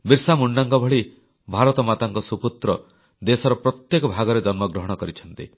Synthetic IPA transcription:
biɾsamuɳɖaŋkɔbʱɔɭi | bʱaɾɔt̪ɔmat̪aŋkɔsuput̪ɾɔ | d̪esɔɾɔpɾɔt̪jekɔbʱaɡɔɾed͡ʒɔnmɔɡɾɔɦɔɽ̃ɔkɔɾit͡ʃʰɔnt̪ḭ

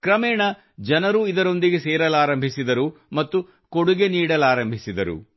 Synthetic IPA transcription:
kɾɐmɛːɳɐ | d͡ʒɐnɐɾuid̪ɐɾo̞nd̪iɡe̞seːɾɐlaːɾɐmbʱisid̪ɐɾumɐt̪ːu | ko̞ɽuɡe̞niːɽɐlaːɾɐmbʱisid̪ɐɾṵ

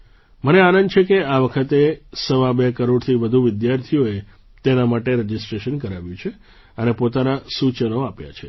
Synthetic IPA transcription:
məneanənd̪t͡ʃʰekeaʋəkʰət̪esəʋãbekəɾoɽt̪ʰiʋəd̪ʱuʋɪd̪jaɾt̪ʰijoe | t̪enamaʈeɾəd͡ʒɪsʈɾeʃənkəɾaʋjũt͡ʃʰe | ənepot̪anasut͡ʃənoapja̰t͡ʃʰe

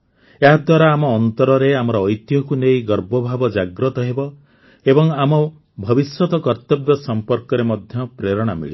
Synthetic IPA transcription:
eɦad̪waɾaːmɔːnt̪ɔɾɔɾeamɔɾɔːjt̪jɔkunejɡɔɾbɔbʱabɔd͡ʒaɡɾɔt̪ɔɦebɔ | ebɔŋamɔ | bʱɔbiswɔt̪ɔkɔɾt̪ɔbjɔsɔmpɔɾkɔɾemɔd̪ʱjɔpɾeɾɔɽ̃amḭɭi

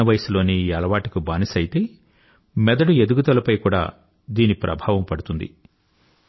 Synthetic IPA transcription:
ɐʋɐjslo̞ːniɐlɐʋaːʈikubaːnisɐjit̪e̞ː | mɛd̪ɐɽued̪uɡut̪ɐlɐpɐjkuːɽa̰ː | d̪iːnipɾʔɐ̰bʱaːʋɐmpɐɽut̪und̪ḭ

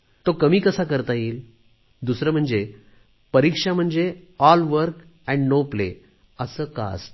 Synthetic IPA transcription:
t̪okəmiːkəsakəɾt̪aiːl | d̪usɾəm̤əɳd͡ze | pəɾikʂam̤əɳd͡zeɔlʋəɾk | ɛ̃ɳɖnoplḛ | əsəːka̰s

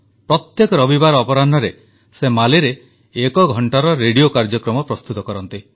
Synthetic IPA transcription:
pɾɔt̪jekɔɾɔbibaɾɔpɔɾanɔɾe | semaliɾeː | kɔɡʱɔɳʈaɾɔɾeɽijokaɾd͡ʒɔkɾɔmɔpɾɔst̪ut̪ɔkɔɾɔnt̪i

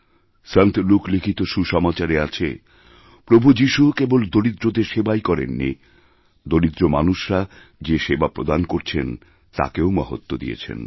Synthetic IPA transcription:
sənt̪lukʰlikʰit̪oʃuʃɔmat͡ɕaɾeat͡ɕʰe | pɾobʱud͡ʑiʃukebold̪oɾid̪ɾod̪eɾʃebajkɔɾḛnːḭ | d̪oɾid̪ɾomanuʃɾa | d͡ʑeʃebapɾod̪ankoɾt͡ɕʰen | t̪a̰keomɔɦo̰t̪ːod̪ḭjḛt͡ɕʰḛn

